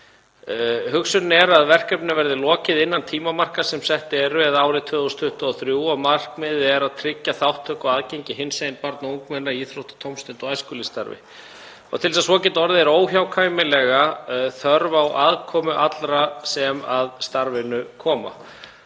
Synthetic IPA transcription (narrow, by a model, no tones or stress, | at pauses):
hʏksʏnnɛɾaðvɛr̥kœpnɪvɛɾðɪlɔːcɪðɪnːant̪ʰiːmamar̥kasɛmsɛht̪ɪɛɾɛðaːwɾɪt̪ʰœːðust̪ʰʏht̪ʏɔθɾjuːɔmar̥kmɪðɛɾaðt̪ʰɾɪcːaθawht̪ʰːœːkɔɣaːðcejɲcɪɦɪnsejɪnpaɾt̪nauŋkmɛnːaiːθɾowht̪ɪ̥t̪ʰowmst̪ɪnt̪ɔɣajskʏlɪst̪a̰ɾvɪ̰ | ɔ̰ɣt̪ʰɪlsasvɔːcɛt̪ɔɾðɪɛɾoːwçjawkʰaːjmɪlɛɣaθœɾvawʔaðkʰɔːmʏʔat̪lɾasɛmaðst̪aɾvɪnʏkʰɔːma̰